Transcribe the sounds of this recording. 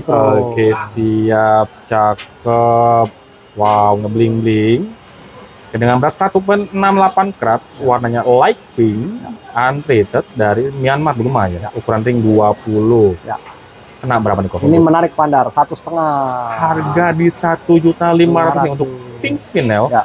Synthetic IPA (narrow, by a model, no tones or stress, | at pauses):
əkesiap̚t͡ʃakəp̚ | wauŋɲabliŋliŋ | kədəŋanbəɾat̪sat̪up̬ənənamlapankɾat̪̚warnaɲalajk̚pɪŋantɾet̪ət̪̚daɾimianmar̚bulumajaukuɾanrɪŋduapulʊj̰ | kənabəɾapandikɔinimənaɾɪk̚pandarsat̪usət̪əŋaharɡadisat̪ud͡ʒut̪alimaɾat̪uɪunt̪ʊk̚pɪŋspinɛl